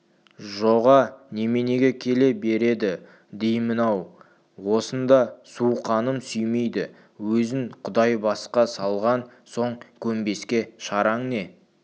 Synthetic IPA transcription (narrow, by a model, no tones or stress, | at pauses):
ʒoʁɑne̞me̞ne̞ɡʲekʲʰe̞le̞be̞ɾe̞d̪ɪ | d̪ejmənɑw | wo̞sənd̪ɑsuqʰɑnəmsʏjme̞jd̪ɪ | wɵzɪŋqʰʊd̪ɑjbɑsqɑsɑlˠʁɑnso̞ɴkʲʰɵmbe̞skʲe̞ʃɑɾɑɴne̞